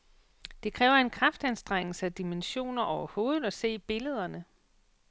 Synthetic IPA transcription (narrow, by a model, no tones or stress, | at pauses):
d̥e̝kʰʁɛːʊɐe̝nkʰʁɑfd̥ænsd̥ʁeŋ̰l̩səæd̥imenɕo̝̰ːnɐʔɒʊɐho̝ːð̩ˠɒ̽se̝̰ːb̥e̝ləð̞ˠɐnə